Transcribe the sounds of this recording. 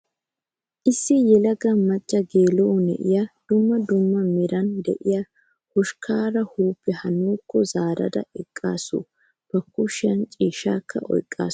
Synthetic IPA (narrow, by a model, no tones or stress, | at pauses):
ʔɪsːɪjɛlɐɡɐmɐt͡ʃʼːɐɡeːlɔʔɔnɛ̰ʔɪjɐd̪̥ʊmːɐd̪ʊmːɐmɪɾɐnd̪ɛʔɪja | hʊʃkʰaːɾɐhuːpːɛhɐnuːkːɔzaːɾɐ̰d̪ɐ̰ɛkʼːaːsʊ̰ | b̥ɐkːʊʃɪɐnt͡ʃʼiːʃaːkʰːɐ̰ʔɔ̰jkʼːa̰ːs